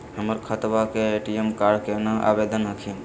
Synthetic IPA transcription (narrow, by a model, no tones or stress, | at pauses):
həməɾkʰət̪bakeeʈiemkaɾɖkenaʔa̰bed̪ənɦəkʰin